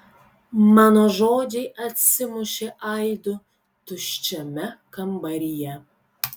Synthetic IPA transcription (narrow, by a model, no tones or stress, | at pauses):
mɑːnoːʒoːd͡ʒʲɛɪʔɐt̪ʲsʲɪmʊʃʲeʔɐɪd̪ʊ | t̪ʊʃʲt͡ʃʲɛmʲɛkɐmbɐɾʲɪjɛ